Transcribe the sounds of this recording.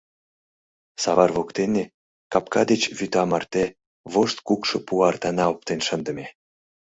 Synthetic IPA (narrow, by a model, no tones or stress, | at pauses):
sɑβɑrvokt̪ene | kɑpkɑd̪et͡ɕβyt̪ɑmɑrt̪e | βoʃt̪kukʃɤ̆puɑrt̪ɑnɑop̚t̪enʃə̆nd̪ə̆mʲe